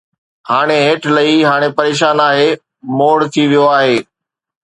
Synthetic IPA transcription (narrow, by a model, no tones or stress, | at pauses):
haːɽ̃eɦeːʈʰlɐɦiɦaːɽ̃epɐɾeːʃ̬aːnaːɦeː | moːɽt̪ʰiʋijoaːɦeː